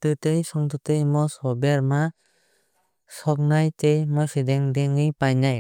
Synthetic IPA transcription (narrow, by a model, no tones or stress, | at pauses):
t̪ɯtejsɔŋt̪ɔtejmɔsɔbeɾma | sɔk̚najtejmɔsidɛŋdeŋipajnaj